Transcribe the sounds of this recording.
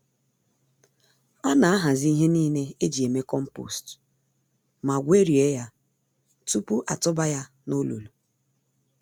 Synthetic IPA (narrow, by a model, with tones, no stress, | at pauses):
ɔ˦na˨a˦ɦa˨zi˦i˦ɦe˦niː˦ne˦e˦d͡ʒi˨e˨me˦kɔ˦m̩˦po̰˨st | ma˨ɡʷe˦ɾi˨e˦ja˦ | tu˦pu˦ʔa̰˨tʊ˦ba˦ja˦ | no˦lo̰˨lu˨